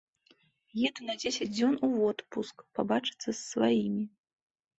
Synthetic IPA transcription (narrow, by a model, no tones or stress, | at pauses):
jɛd̪unɐd͡zʲesʲɐd͡zʲd͡zʲɔnuvɔt̪puskpabat͡ʂɨ̥t̪sːɐsːvajimʲi